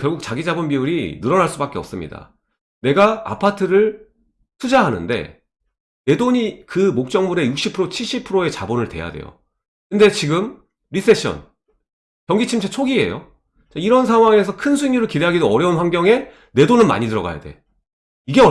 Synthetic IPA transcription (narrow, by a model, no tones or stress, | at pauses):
kjʌɭɡuk̚t͡ɕaɡid͡ʑabunbiuɾinɯɾʌnaɭs͈ubak͈e̞ʌp̚s͈ɯmɲḭda̰ | ne̞ɡaa̰pʰatʰɯɾɯɭ | tʰud͡ʑaɦanɯ̰nde̞̰ | ne̞doɲikɯmok̚t͡ɕ͈ʌŋmuɾe̞juk̚ɕ͈ipʰɯɾot͡ɕʰiɭɕ͈ipʰɯɾoe̞t͡ɕabonɯɭte̞̰ja̰de̞̰jo̰ | kɯnde̞t͡ɕiɡɯm | ɾis͈ʰe̞ɕʰʌ̰n | kjʌŋɡit͡ɕʰimt͡ɕʰet͡ɕʰoɡie̞̰jo̰ | t͡ɕaiɾʌns̬ʰaŋɦwaŋe̞s̬ʰʌkʰɯnsʰuɲiɾɯɭkiɾeɦaɡidoʌɾjʌunɸwaŋɡjʌŋe̞ | ne̞donɯnma̰ɲidɯɾʌɡa̰ja̰de̞̰ | iɡe̞ʌ